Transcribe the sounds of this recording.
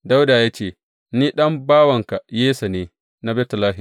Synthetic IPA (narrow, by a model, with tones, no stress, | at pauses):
da˦wdaː˨jaː˦t͡ʃeː˦˨ | niː˦ɗɐ˦mbaː˦wɐ˨ŋka˨jeː˦sa˨neː˨ | na˦bɛː˦tɐ˨laː˦ɦɪ˨m